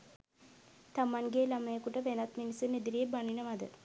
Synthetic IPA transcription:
t̪amaŋɡeːlaməjəkuʈəʋenat̪minisuned̪iɾiebaninəʋad̪ə

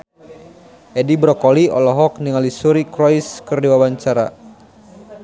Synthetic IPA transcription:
ʔɛdibɾɔkɔliɔ̰lɔɦɔk̚niŋalisuɾikɾɔiskɨrdiwawaɲt͡ʃaɾa̰

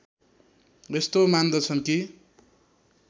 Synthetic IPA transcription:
est̪omand̪ʌt͡sʰʌnki

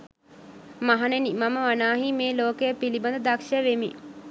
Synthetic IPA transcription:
maɦanenimaməʋanaːɦimeːloːkəjəpiliband̪əd̪akʃəjəʋemḭ

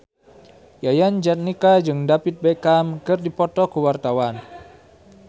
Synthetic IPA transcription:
jajand͡ʒat̪̚nikad͡ʒɨŋdapit̪̚bɛkamkɨrdipɔt̪ɔkuwart̪awan

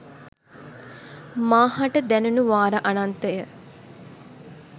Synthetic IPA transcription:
maːɦaʈəd̪ænunuʋaːɾəʔanant̪əjə

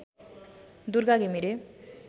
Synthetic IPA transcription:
d̪uɾɡaɡemiɾe

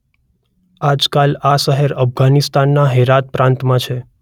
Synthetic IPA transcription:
ad͡ʒkalasəɦɛɾəfɡanist̪anːaɦeɾat̪̚pɾãnt̪mãt͡ʃʰe

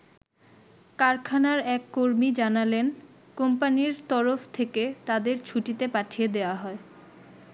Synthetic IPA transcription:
kaɾkʰanaɾɛkːoɾmid͡ʑanalen | kompaniɾt̪ɔɾoft̪ʰeket̪ad̪eɾt͡ɕʰuʈit̪epaʈʰied̪eoaɦɔe

